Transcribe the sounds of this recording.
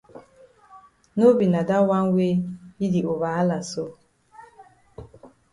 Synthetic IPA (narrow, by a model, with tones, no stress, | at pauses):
no˦bi˨na˨da˦wa˦ŋ̩˦we˦i˦di˨o˨βa˨a˦la˨so˦